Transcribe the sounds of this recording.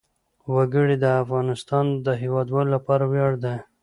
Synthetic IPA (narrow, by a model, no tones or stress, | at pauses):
waɡəɽid̪əafɣɑnɪst̪ɑnd̪əɦewɑd̪wɑlolapɑɾawjɑɽd̪a